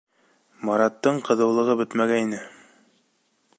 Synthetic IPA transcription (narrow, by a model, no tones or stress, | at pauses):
mɑɾɑt̪ːɤɴqɤ̆ðɤ̆wlˠɤ̆ʁɤbɵt̪mæɡæninɘ